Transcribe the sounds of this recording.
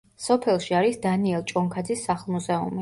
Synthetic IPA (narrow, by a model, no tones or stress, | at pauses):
sɔpʰɛlˠʃiaɾisd̪aniɛlˠt͡ʃʼɔŋkʰad̪zisːaχlˠmuzɛṵmi